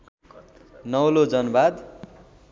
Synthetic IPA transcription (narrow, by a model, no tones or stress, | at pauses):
nʌwlod͡zʌnbad̪